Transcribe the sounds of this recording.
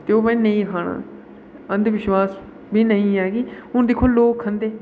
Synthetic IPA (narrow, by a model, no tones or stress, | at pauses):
t̪eːoːmɛ̃ːnəĩːkʰaːɳã̰ː | ə̃nd̪ʋɪʃwaːs | biːnəĩːɦɛːɡiːɦʊnd̪ɪkʰːoːloːkʰːənd̪eː